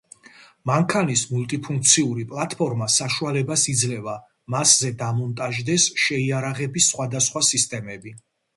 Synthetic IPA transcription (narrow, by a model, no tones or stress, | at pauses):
maŋkʰanismulˠt̪ʼipʰuŋk̚ʰt̪sʰiuɾipʼlˠat̪ʼpʰɔɾmasaʃualɛbasid̪zlɛva | maszɛd̪amɔnt̪ʼaʒd̪ɛsʃɛiaɾaʁɛbisχwad̪asχwasist̪ʼɛmɛbi